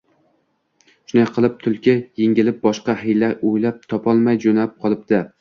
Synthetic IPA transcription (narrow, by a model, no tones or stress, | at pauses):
ʃʊnajqʰɨlˠɪp̚t̪ʰʊlˠkʲʰɪjeŋʲɪlɪp̚bɒʃqɑhɪjlaojlap̚t̪ʰɒpʰɒlˠmajd͡ʒonaɪp̚qʰɒlˠɪp̚d̪ɪ